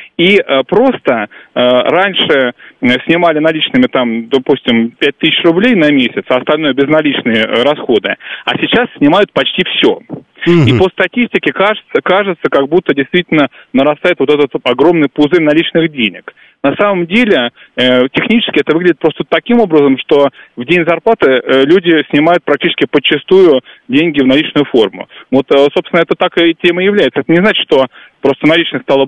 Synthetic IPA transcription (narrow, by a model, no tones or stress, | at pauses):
iʔəpɾo̞st̪əəɾanʲʂɨsʲnʲɪmalʲɪnɐlʲit͡ɕnɨmʲɪt̪amd̪ɐpusʲtʲɪmpʲæt̚ʲt̪ɨsʲɪɕrʊblʲejnɐmʲesʲɪt̪sɐst̪ɐlʲn̪o̞jəbʲɪznɐlʲit͡ɕnɨjəɾɐsxo̞d̪ɨɐ̰sʲɪt͡ɕassʲnʲɪmajʊt̪̚pɐt͡ɕtʲifsʲo̰ | ipəst̪ɐtʲisʲtʲɪkʲɪkaʐɨt̪səkaʐɨt̪səkaɡ̚but̪ːədʲɪjst̪vʲitʲɪlʲnənəɾɐst̪ajɪt̪vo̞t̪ɛt̪ət̪ɐɡɾo̞mnɨjpʊzɨrʲnɐlʲit͡ɕnɨɣdʲenʲɪ̰k | nɐsaməmdʲelʲɪətʲɪxnʲit͡ɕɪ̥skʲɪɛt̪əvɨɡlʲɪdʲɪt̪pɾo̞st̪ət̪ːɐkʲimo̞bɾəzəmʂt̪o̞vdʲenʲzɐrplˠat̪ɨlʲudʲɪsʲnʲɪmajʊt̪̚pɾɐk̚tʲit͡ɕɪskʲɪpət͡ɕːɪst̪ujʊdʲenʲɡʲɪvnɐlʲit͡ɕnʊjʊfo̞rmʊ̰vo̞t̪sopst̪vɪnəɛt̪ət̪akɨtʲeməjɪvlʲæjɪt̪səɛt̪ənʲɪznat͡ɕɪ̥ʂt̪o̞ | pɾo̞st̪ənɐlʲit͡ɕnɨsʲt̪alˠə